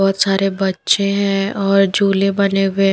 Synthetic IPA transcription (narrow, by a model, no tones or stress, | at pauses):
ɔɦɔt̪saːɾebɐtːʃẽɦɛ̃ɔːɾd͡ʒuːlebɐnewẽ